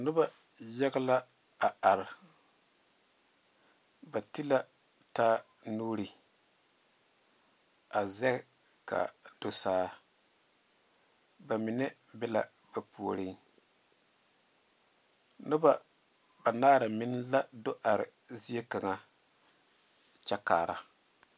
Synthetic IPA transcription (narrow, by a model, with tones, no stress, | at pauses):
nʊ˦ba˨ | jɛ˦ɡɪ˦la˦ | a˨a˨ɾɪ˨ | ba˨ti˦la˦ | taː˦ | nuː˦ɾi˨ | a˨zɛ˦ | ka̰˨d̥o˨saː˦ | ba˨mɪ˨nɛ˦ | bɛ˦la˨ | b̥a˨pu˨o˨ɾi˦ | nʊ˦ba˨ | ba˨naː˦ɾa˨mɪ˦n˦la˦do˦ʔa˨ɾɪ̰˨zi˦e˦ka˨ŋa˨ | t͡ʃa˦kaː˨ɾa˨